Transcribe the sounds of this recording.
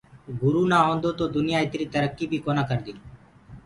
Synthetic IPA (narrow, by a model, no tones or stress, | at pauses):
ɡʊɾuːnaːɦõːnd̪oːt̪oːd̪ʊnɪjaːet̪ɾiːt̪əɾəkːiːbiːkonaːkəɾd̪iːn